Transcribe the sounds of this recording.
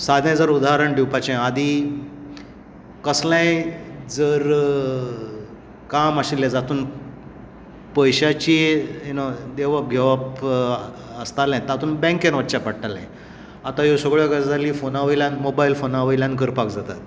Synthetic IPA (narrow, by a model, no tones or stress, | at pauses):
sad̪ʱjãjd͡zəɾud̪aɦɾəɳɖiwpat͡ɕãad̪ʱi | kəslajd͡zəɾ | kamaɕiljad͡zat̪uːn | pəjɕat͡ɕiunod̪eʋəp̚ɡʱeʋap | əst̪aljãt̪at̪uːnbɛ̃ŋkenʋət͡ɕapaɽʈalã̰j | at̪ajosəɡɭjɔɡad͡zaliːfonaʋəjljãnmobailfonaʋəiljãnɡəɾpakd͡zat̪at̪̚